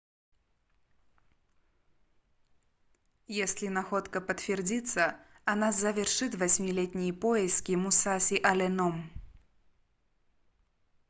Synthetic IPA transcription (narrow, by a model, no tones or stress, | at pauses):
jɛsʲlʲinaxɔt̪kɐpɐt̪fʲɛrd͡zʲit̪sːɐ | anazɐvʲɛrʂɨt̪vasʲmʲilʲɛt̪ʲnʲijɐpɔjɛskʲimusasʲiʔɐlʲɛnɔm